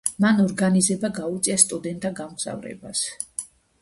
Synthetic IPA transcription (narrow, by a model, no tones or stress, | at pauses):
manɔɾɡanizɛbaɡaut̪sʼiast̪ʼud̪ɛnt̪ʼaɡamɡz̥a̰vɾɛ̰ba̰s